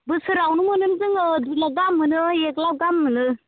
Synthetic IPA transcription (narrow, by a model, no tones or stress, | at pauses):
bɨsɨɾawnumənund͡zəŋd̪ulaɡamːənɨeklaɡamːənɨ